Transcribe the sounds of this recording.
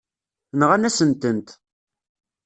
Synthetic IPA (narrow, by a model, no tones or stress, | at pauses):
nʁænæsənt̪ənt̪